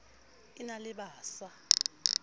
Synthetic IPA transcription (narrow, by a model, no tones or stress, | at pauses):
inalɪɓaːsa